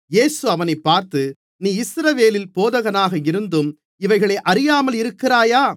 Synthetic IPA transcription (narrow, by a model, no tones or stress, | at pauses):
jeːsɯɐʋɐnɐɪpːaːɾt̪ɯ | niːɪsɾɐʋeːlɪlpoːðɐɣɐnaːɣɐɪɾɯnd̪ɯm | ɪʋɐɪɣɐɭeːʔɐɾɪjaːmɐlɪɾɯkːɪraːjaː